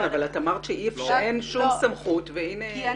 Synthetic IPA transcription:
avalatamaʁt̪ʃeʔifʃeenʃumsamχutveine

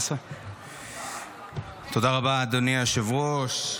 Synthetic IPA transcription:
sa | t̪od̪aʁabad̪oniaʃevʁoʃ

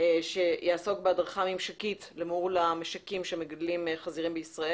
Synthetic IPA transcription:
ʃe̞jaːso̞kbeadʁaχamemʃakitlemuʁlameʃakimʃemeɡadlimχaziʁimbeisʁae

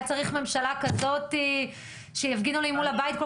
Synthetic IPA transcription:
t͡saʁiχme̞mʃalakazo̞ti | ʃejafɡinulimulabaitko

